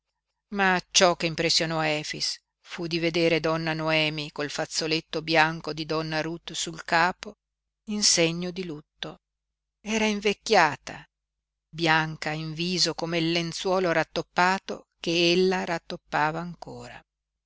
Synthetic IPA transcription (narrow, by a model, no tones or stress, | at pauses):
mat͡ʃɔkːeimpɾesːjonɔɛːfḭs | fud̪ived̪eːɾed̪ɔnːanoɛːmikolfat̪sːolet̪ːobjaŋkod̪id̪ɔnːaɾut̪ːsulkaːpo | inseɲːod̪ilut̪ːo | ɛːɾaiɱvekːjaːt̪a̰ | bjaŋkaiɱviːzokomeilːent̪swɔːloɾat̪ːopːaːt̪o̰ | keelːaɾat̪ːopːaːvaːŋkoːɾa̰